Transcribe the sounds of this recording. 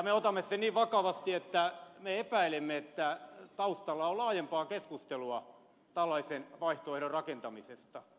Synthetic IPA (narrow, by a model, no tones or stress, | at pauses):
ɑmeot̪ɑmːessenniːʋʋɑkɑʋɑst̪iet̪ːæmeepæilemːeet̪ːæt̪ɑust̪ɑlːɑolɑːjempɑːkeskust̪eluɑ | t̪ælːɑisenʋɑiht̪oehdorrɑkent̪ɑmisest̪ɑ